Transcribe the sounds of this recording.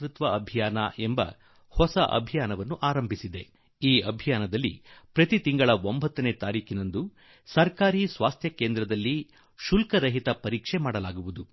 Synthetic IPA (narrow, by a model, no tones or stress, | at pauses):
ɾut̪ʋɐɐbʱijaːnɐ̰ʔembɐ̰ | hɔsɐʔɐ̰bʱijaːnɐʋɐnːuʔaːɾɐmbʱisid̪e̞ | iːɐbʱijaːnɐd̪ɐlːḭpɾɐt̪it̪iŋɡɐɭɐʋombʱɐt̪ːɐne̞ːt̪aːɾiːkʰinɐnd̪u | sɐɾkaːɾiːsʋaːst̪ʰjɐke̞ːnd̪ɾɐd̪ɐlːi | ʃulkɐɾɐɦit̪ɐpɐɾiːkʂemaːɽɐlaːɡuʋud̪u